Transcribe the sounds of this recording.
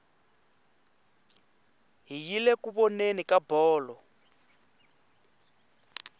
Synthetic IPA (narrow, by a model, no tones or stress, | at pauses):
ɦijilekuβɔnenikabɔːlɔ